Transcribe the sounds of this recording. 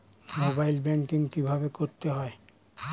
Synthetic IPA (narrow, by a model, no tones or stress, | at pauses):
mobajlbɛŋkiŋkibʱabekoɾt̪eɦɔe